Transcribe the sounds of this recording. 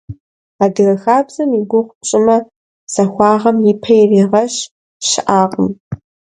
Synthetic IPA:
aːdɨrɐxaːbz̥ɐmiɡʷʊχʷt͡ʃʼɪmɐ | sɐxʷɑːʁɐmjipʰɐjriːʁɐʃ | ʃɪʔaːqʼəm

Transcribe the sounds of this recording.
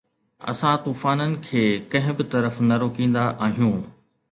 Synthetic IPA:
ɐ̰sãt̪uːfaːnənɪ̆kʰeːkɐ̃ɦɪ̃bɪt̪ɐɾəfnɐɾoːkĩːn̆d̪aʔaːɦijũː

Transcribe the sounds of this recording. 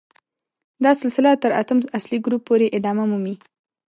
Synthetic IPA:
d̪ɑsɪlsɪlat̪ːəɾat̪əmasliɡɾupːoɾeʔɪd̪ɑmamumi

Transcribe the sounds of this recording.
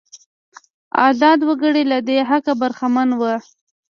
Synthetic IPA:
ɑ̰zɑd̪wəɡəɽelad̪eɦakabaɾxamanwə

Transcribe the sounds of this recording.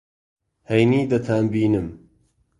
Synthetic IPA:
hejniːd̪ɐt̪ʰaːnbiːnɨm

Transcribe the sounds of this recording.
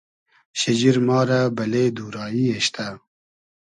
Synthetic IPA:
ɕɐd͡ʑiɾmɑːɾabɐled̪uːɾɑːjieʃt̪a

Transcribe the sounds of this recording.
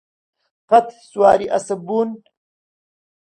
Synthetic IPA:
qɐt̪swaːɾiʔɐsɐbun

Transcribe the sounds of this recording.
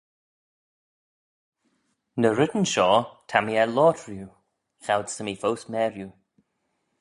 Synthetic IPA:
nəɾɪdən̩ʃɔːtʰamiɛlɔːtʰɹju | xawdsəmifowsmɛːɹju

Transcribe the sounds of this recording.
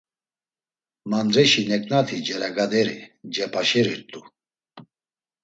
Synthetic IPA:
mand̪ɾɛʃinɛkʼnat̪ʰid͡ʒɛɾaɡad̪ɛɾḭd͡ʒɛpʰaʃɛɾiɾt̪ʼu

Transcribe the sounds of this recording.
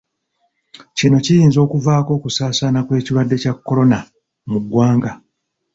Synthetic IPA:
cino̞cijiːnzo̞ːkuvaːko̞ːkusaːsanakwe̞ːciwadːe̞cakːo̞ɾo̞na | muɡːwaːŋɡa

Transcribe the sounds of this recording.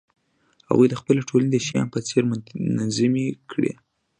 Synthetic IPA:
ha̰ɣujd̪əxpəlaʈʰolaned̪əʃijɑ̰npət͡seɾmnanzimikɽḛ

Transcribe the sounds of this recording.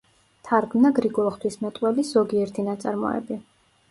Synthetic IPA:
t̪ʰaɾɡmnaɡɾiɡɔlˠχt̪ʰwismɛt̪ʼwɛliz̥ɔɡiɛɾt̪ʰinat̪sʼaɾmɔ̰ɛ̰bi

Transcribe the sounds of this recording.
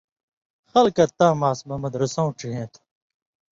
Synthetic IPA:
xɐlkɐt̪ãːmaːsmɐmɐd̪ɾɐsãũʈ͡ʂiɦẽːt̪ʰ

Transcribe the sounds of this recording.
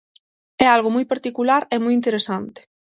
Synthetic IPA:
ɛalɣomɔjpaɾt̪ikulaɾɛmojint̪eɾesant̪e̥

